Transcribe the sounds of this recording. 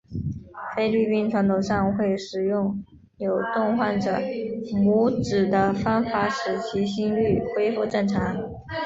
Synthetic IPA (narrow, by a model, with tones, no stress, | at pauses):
fe˥ɪly˥˩pi˥nʈ͡ʂʰwa˧˥nt̪ʰo˨˩ʊʂɑ˥˧ŋxwe˥˩ɪʂɻ̩˨˩jʊ˥˩ŋ | jo˨˩ʊt̪ʊ˥˧ŋxwa˥˩nʈ͡ʂɤ˨˩mu˧˥ʈ͡ʂɻ̩˨˩d̪ə˦fa˥nfa˧˥ʂɻ̩˨˩t͡ɕʰi˧˥ɕi˥ŋly˥˩xwe˥ɪfu˥˧ʈ͡ʂɤ˥˩ŋʈ͡ʂʰa˧˥